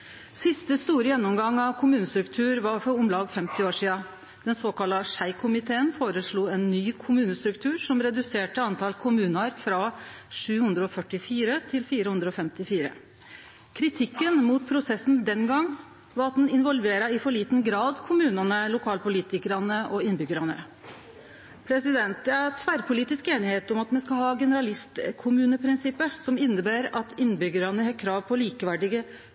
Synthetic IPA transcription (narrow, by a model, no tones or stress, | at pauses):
sɪst̪əst̪uːɾəjɛnːɔmɡɑŋːɑʋkʰʊmʉːnəst̪ɾʉkt̪ʰʉːɾʋɑɾfɔɾʊmlɑːɡfɛmt̪ɪoːʂiːɑ | d̪̥ɛnsoːkɑlɑʂæɪkʰʊmɪt̪ʰeːənfoːɾəʂɭuːɛnːyːkʰʊmʉːnəst̪ɾʉk̚t̪ʰʉːɾʂɔmɾɛd̪ʉseːʈəɑnt̪ʰɑlkʰʊmʉːnəɑɾfɾɑʂʉːhʉnd̪ɾəɔfœʈɪfiːɾət̪ʰɪlfiːɾəhʉnd̪ɾəɔfɛmt̪ɪfiːɾə̰ | kʰɾɪt̪ʰɪkːənmuːt̪pʰɾʊsɛsn̩d̪ɛnɡɑŋː | ʋɑɾɑt̪̚d̪ɛnɪnʋɔlʋeːɾɑɪfɔɭiːt̪nɡɾɑːd̪kʰʊmʉːnɑnəlʊkʰɑːlpʊliːt̪ɪkəɾɑnəʔɔɪnːbʏɡəɾɑnə̰ | pʰɾɛsɪd̪ɛnt̪̚d̪ɛæɾt̪ʰʋæɾpʰʊliːt̪ɪskeːnɪheːt̪ɔmɑt̪mɛskɑhɑːɡɛnəɾɑlɪst̪kʰʊmʉːnəpʰɾɪnsɪpːəsɔmɪnːəbæːɾɑt̪ɪnːbʏɡəɾɑnəhɛkkʰɾɑːʋpʰɔliːkəʋæɖɪɡə